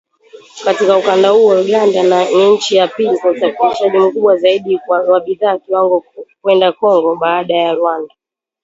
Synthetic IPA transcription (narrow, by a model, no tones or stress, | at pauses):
katikaukandahuɔuɡandanniɲ̩t͡ʃijapilikausafiliʃaʄim̩kuɓwazaiɗiwaɓiðaːkiwaŋɡɔkwɛndakɔŋɡɔɓaːɗajaɾwanda